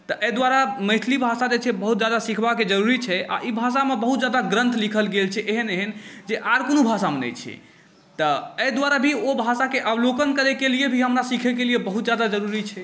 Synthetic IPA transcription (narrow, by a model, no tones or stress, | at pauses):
t̪əʔəjd̪waɾaməɦt̪ʰlibʱasad͡ʒet͡ʃʰɛbəɦut̪d͡ʒad̪asikʰbaked͡ʒəɾuɾit͡ʃʰɛʔa̰ʔibʱasamebəɦut̪̚d͡ʒad̪aɡɾə̃nt̪ʰlikʰəlɡelt͡ʃʰɛʔeɦəneɦənd͡ʒeʔaɾkonobʱasamenɛ̰t͡ʃʰɛ̰ | t̪əəjd̪waɾabʱiobʱasakeʔəblokənkəɾɛkeliebʱiɦəmɾasikʰɛkelijebəɦut̪d͡ʒad̪ad͡ʒəɾuɾit͡ʃʰɛ